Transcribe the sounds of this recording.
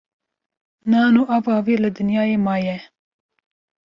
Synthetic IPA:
nɑːnuːʔɑvɑːviːlɨd̪ɨnjɑːjeːmɑːjɛ

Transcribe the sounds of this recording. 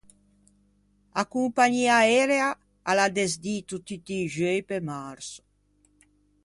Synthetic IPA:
akumpaɲiaɛɾea | alad̪ezd̪it̪ut̪it̪iʒøjpemaɾso̥

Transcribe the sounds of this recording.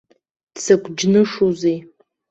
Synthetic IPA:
d̥sakʷʰʼd͡ʒnɨʂuze

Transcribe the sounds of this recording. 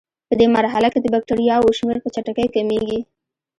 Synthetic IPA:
pəd̪emaɾɦalaked̪əbak̚ʈaɾijɑwoʃmeɾpət͡ʃaʈakəjkameɡi

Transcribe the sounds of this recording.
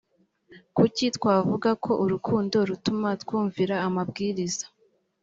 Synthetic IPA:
kucitwaːvuɡakʰo̞ʔuɾukʰuːndo̞ɾutumatwuːɱviɾaːmabɡiːɾizḁ

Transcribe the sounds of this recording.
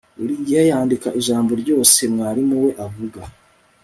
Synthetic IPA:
uɾiːɲɟihajaːndikaʔiʒaːmbo̞ɾɟo̞ːse̞mŋaːɾimuwe̞ʔavuɡa

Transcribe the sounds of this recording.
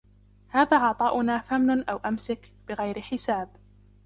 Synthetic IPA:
haːðaːʕɑʕt̪ˤɑːʔʊnaːfamnʊnʔawʔamsakb̥ɪɣajɾɪħɪsaːb

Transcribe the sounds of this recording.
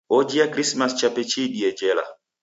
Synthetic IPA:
od͡ʒiakɾismast͡ʃapɛt͡ʃiɗiɛd͡ʒɛla̰

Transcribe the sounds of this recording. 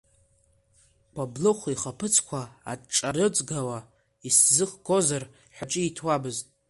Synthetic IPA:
kʷʰablɨχʷiχapʰɨt͡sʰkʷʰaa̰ʈ͡ʂʼaɾɨt͡sʼɡawa | iszɨχɡozar | ħᶣat͡ʃʼɪitʰwabɨztʼ

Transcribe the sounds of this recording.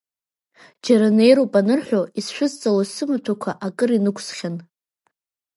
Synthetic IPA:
d͡ʒaɾane̞jɾopʼanɨrħʷᶣoisʃᶣʷʊzt͡sʼalosɨmatʷʰakʷʰaʔakʼɨrinɨkʷʰsχʲan

